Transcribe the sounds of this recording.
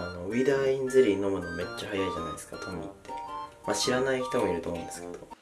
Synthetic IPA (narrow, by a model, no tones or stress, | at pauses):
ano̞id̪aːĩnzɨɾʲiːnːo̞monoːme̞t͡ɕːahajaiʑana̰id̪esɨ̥kat̪ʰomʲḭt̪ːe̞̥maɕiɾanaikʲi̥t̪amoiɾɯ̟t̪omõ̰nd̪esɨ̥ke̞d̪̥o̞